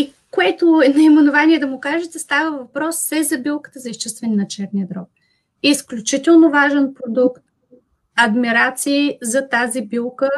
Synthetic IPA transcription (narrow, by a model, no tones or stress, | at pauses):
i | koɛt̪oɛnɐimɛnʊvanʲiɛd̪ɐmʊkaʒɛt̪ɛst̪avəvɐpɾɔsːɛzɐbilˠkə̥t̪əzɐiʃt͡ʃɛst̪vɛninɐt͡ʃɛɾniəd̪ɾɔk̚ | isklʲʊt͡ʃit̪ɛlˠnovaʒɛnpɾod̪ukt̪̚ | ɐd̪miɾat̪siːzɐt̪azibilˠkə